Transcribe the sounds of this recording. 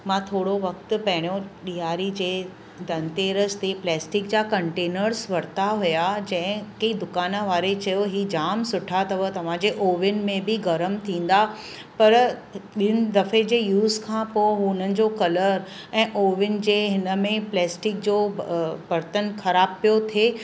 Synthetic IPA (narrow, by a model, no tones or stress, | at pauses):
mãt̪ʰoːɽoʋɐk̚t̪ʊ̆pɐɦɪɽ̃jõɗijaːɾid͡ʑeː | d̪ɐ̃nt̪eːɾəst̪eplɛːsʈɪk̚d͡ʑakɐ̃ɳʈeːnəɾsʋɐɾt̪aɦujad͡ʑɐ̃ɦɪ̃kid̪ʊkaːnãʋaːɾet͡ɕɐjoɦiːd͡ʑaːmsʊʈʰat̪ɐʋət̪ɐʋ̤ãːd͡ʑeːʔoːʋjʊnɪ̆mẽbɪɡɐɾəmt̪ʰĩːn̆d̪a | pɐɾɗɪnɪ̆d̪ɐfed͡ʑeːjuːzkʰãpoːɦʊnənɪ̆d͡ʑoːkɐləɾ | ɛ̃ːʔoːʋʊnɪ̆d͡ʑeːɦɪnəmẽplɛːsʈɪk̚d͡ʑoːbɐɾt̪ənxʰɐɾaːb̚pijot̪ʰeː